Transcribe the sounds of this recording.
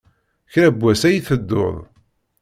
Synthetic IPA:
çɾæbːæsæjiθəd̪ːo̰ðˤ

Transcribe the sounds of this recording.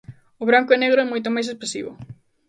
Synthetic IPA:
ʊβɾaŋkʊɛneɣɾoɛmojt̪̬omajs̬espɾesḭβʊ̰

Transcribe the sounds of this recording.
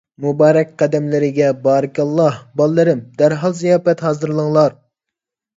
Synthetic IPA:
mubɑːɾɛk̚ʲqʰɛd̪ɛmlɪɾɪɡʲɛbɑːɾɪkʲɑlˠːɑhbɑlˠːɨɾɪmd̪æɾɦɑlˠzijɑːfɛt̪hɑːzɨɾlˠəŋlˠɑɾ

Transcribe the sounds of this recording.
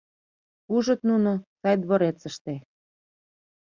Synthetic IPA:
uʒɤ̆t̪nunosɑjd̪βoɾet͡sə̆ʃt̪e

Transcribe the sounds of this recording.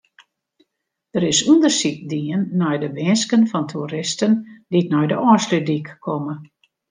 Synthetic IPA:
d̥əɾɪsundərsik̚diənːɔjdəʋɪnskənfɔntʰuəɾɪstənditnɔjdəɔslydikːʰɔmə

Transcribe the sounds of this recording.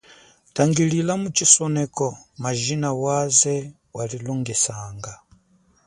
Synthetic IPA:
taŋɡililamut͡ʃisɔnɛkɔmaʒinawazɛ | walilɔŋɡɛsaːŋɡa

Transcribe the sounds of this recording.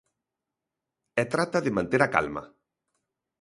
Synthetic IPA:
ɛt̪ɾat̪aðemãnt̪eɾaka̰lma̰

